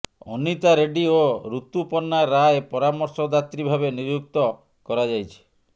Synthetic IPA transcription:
ɔnit̪aɾeɖioɾut̪upɔnːaɾaepɔɾamɔɾsɔd̪at̪ɾibʱabeniɾjuk̚t̪ɔ | kɔɾad͡ʒajt͡ʃʰi̥

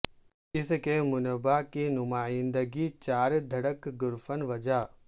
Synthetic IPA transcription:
ɪskemʊnəbakinʊmaːjɪ̃nd̪əɡit͡ɕaːɾd̪ʱɐɽəkɡʊɾfənʋɐd͡ʒaː

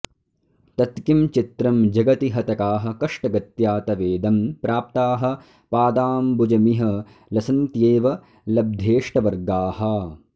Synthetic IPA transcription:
t̪ɐt̪kimt͡ʃit̪ɾɐmd͡ʒɐɡɐt̪iɦɐt̪ɐkaːɦɐ̆kɐʂʈɐɡɐt̪jaːt̪ɐʋeːd̪ɐmpɾʔaːp̚t̪aːɦɐ̆ | paːd̪aːmbud͡ʒɐmiɦɐ | lɐsɐnt̪jeːʋɐ | lɐb̚d̪ʱeːʂʈɐʋɐɾɡaːɦɐ

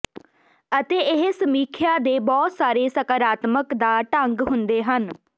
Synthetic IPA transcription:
ət̪eːɪɦsəmiːkʰjaːd̪eːbɔːt̪saːɾeːsəkəɾaːt̪məkd̪aːʈəŋɡɦʊnd̪eːɦən

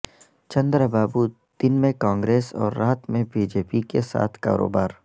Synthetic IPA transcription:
t͡ʃɐ̃nd̪ɾbaːbu | d̪̥ɪnmẽkãːŋɡɾeːsɔ̰ːɾːaːt̪mẽbiːd͡ʒeːpikesa̰ːt̪ʰka̰ːɾo̰ːbaːɾ

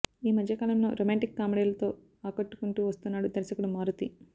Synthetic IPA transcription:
iːmɐd̪ʱjɐkaːlɐmno̰ːɾʔoːmaːɳʈikːaːmɽeːlɐt̪o̞ː | aːkɐʈːu̥kuɳʈuːʋɐst̪unːaːɽud̪ɐɾisɐkuɽumaːɾut̪i

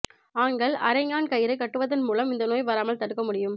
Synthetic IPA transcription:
aːŋɡɐɭɐ̰ɾɐɪŋaːnkɐjɪɾɐɪkːɐʈːɯʋɐðɐnmuːlɐmɪnd̪ɐnoːjʋɐɾaːmɐɭt̪ɐɽɯkːɐmʊɽɪjɯm

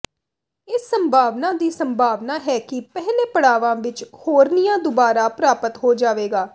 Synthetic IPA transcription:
ɪsːəmbʱaːʋnãːd̪iːsəmbʱaːʋnaːɦɛːkɪpɛɦleːpəɽaːʋãːʋɪt͡ʃhoːɾnɪjãːd̪ʊbaːɾaːpɾaːpət̪ɦoːd͡ʒaːʋeːɡaː

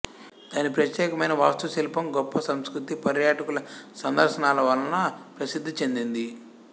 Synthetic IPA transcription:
d̪̥aːnipɾɐt̪jɛːkɐmɐjnɐʋaːst̪ɐɐsilɐpɐmɡɔpːɐsɐmskɾut̪ipɐɾjaːʈɐkulɐsɐnd̪ʱɐɾʃɐnaːlɐʋɐlːɐnɐpɾɐsid̪ʱːit͡ʃe̞nd̪ind̪i

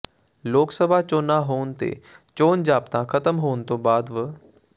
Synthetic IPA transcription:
loːksəbʱaːt͡ʃoːnaːɦoːnt̪ḛːt͡ʃoːnd͡ʒaːpt̪ãkʰət̪əmɦoːnt̪õːbaːd̪ʋə

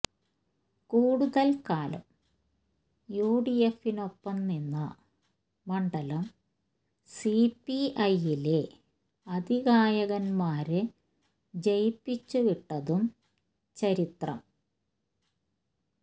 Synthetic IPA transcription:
kuːɽuðɐlkaːlɐ̰m | juːɽijefːino̞pːɐmninːɐ̰ | mɐɳɖɐlɐm | sipːiɐjile̞ | ɐd̪iɣaːjɐɣɐnmaːɾɨ | d͡ʑejpːit͡ɕːuʋiʈːɐðum | t͡ɕɐɾit̪rɐ̰m

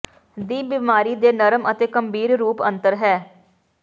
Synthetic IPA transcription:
d̪iːbimaːɾiːd̪eːnəɾəmʔət̪eːkəmbiːɾɾuːpənt̪əɾɦɛː

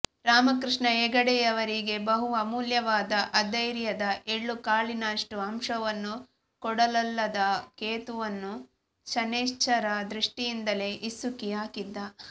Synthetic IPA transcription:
ɾaːmɐkɾiʂɳɐɛːɡɐɽɛjɐʋɐɾiɡe̞bɐɦuɐmuːljɐʋaːd̪ɐʔɐd̪ɐjɾjɐd̪ɐʔeɭːukaːɭinaːʂʈuɐmʂɐʋɐnːu | kɔɽɐlɐlːɐd̪ɐkeːt̪uʋɐnːu | t͡ʃɐneːʃt͡ʃɐɾɐd̪ɾiʂʈijind̪ɐle̞ːʔisːukiaːkid̪ːɐ

